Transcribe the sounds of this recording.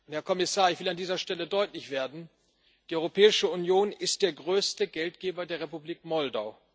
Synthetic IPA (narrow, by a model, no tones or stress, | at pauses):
hɛɐkʰɔmɪsaːɐɪçv̥ɪlandiːzɐʃtɛlədɔʏtlɪçv̥eːɐdn̩ | d̥iːʔɔʏʁopʰɛːɪʃəunjoːnɪst̚d̥eːɐɡʁøːstəɡɛltɡ̥eːbɐdeːɐʁepubliːkmɔldaʊ